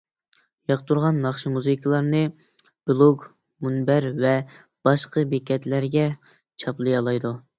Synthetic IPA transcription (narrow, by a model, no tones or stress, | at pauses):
jɑqt̪ʰuɾʁɑnːɑχʃimuzɨkʰəlˠɑɾnɨ | b̥ɨlˠoɡ | munbæɾvɛ | b̥ɑʃqəbekʲɛt̪læɾɡʲɛ | t͡ʃʰɑplˠɨjɑlˠɑjd̪u